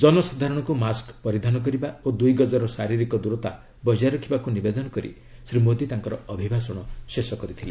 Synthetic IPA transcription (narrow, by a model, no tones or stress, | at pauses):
d͡ʒɔnɔsad̪ʱaɾɔɽ̃ɔkumaskpɔɾid̪ʱanɔk̬ɔɾibaod̪ujɡɔd͡ʒaɾɔsaɾiɾikɔd̪uɾɔt̪a̰ | bɔd͡ʒaɾɔkʰibakunibed̪ɔnɔkɔɾḭ | sɾimod̪it̪aŋkɔɾɔɔbʱibʱasɔɽ̃ɔsesɔkɔɾit̪ʰile